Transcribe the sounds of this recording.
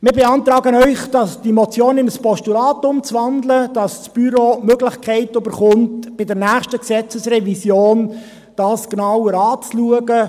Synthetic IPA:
mɪːɾbeɑnt̪ɾɑːɡənœʏχd̥ɑsd̥imɔt͡sjoːnɪnəspɔʃtulɑːtʊmt͡sʋɑndləd̥ɑssb̥yɾoːmøɡlɪχkʰɛɪtybəɾχʊntb̥ɪdɛɾnæːχʃtəksɛt͡səsrɛvisjoːn | d̥ɑːsknɑwəɾɑːt͡sluəɡə

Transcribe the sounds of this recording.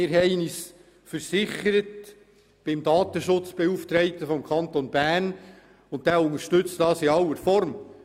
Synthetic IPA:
ɪːɾɦɛɪniːs | fəɾsɪχəɾət | b̥ɪmd̪ɑːt̪əʃʊt͡sb̥ɛuft̪ɾɛɪt̪əfɔmkʰɑnt̪onbæːn | ʊnt̚d̥̪æːʊnəʃtʏt͡stɑːsɪɑlːəɾfɔɾm

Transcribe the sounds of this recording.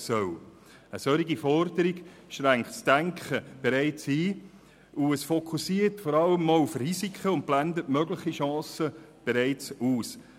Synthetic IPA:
sœw | əsœɾiɡifɔɾdəɾiɡ | ʃtɾæŋktsd̥æŋkχəb̥eɾɛɪt͡siː | uəsfɔkʰusiːərtfɔɾɑlːəmɔufrizikχəʊnt̚b̥lændətmœɡləχiʃɑ̃ːsə | b̥eɾæɪt͡suːs

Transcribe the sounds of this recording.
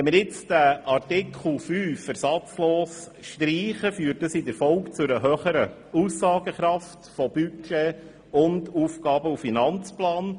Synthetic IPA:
ɛmɪɾjɪt͡sd̥æɑrtɪkʰl̩ˠfyːfːəɾsɑt͡sloːs | ʃtɾiːχəfyːt̚dəsɪdəɾfɔlkt͡sʊɾəɦøχəɾə | usːɑːɡəχɾɑftfɔb̥yt͡ʃɛ | ʊnduːfɡɑːbəufinɑnt͡splɑːn

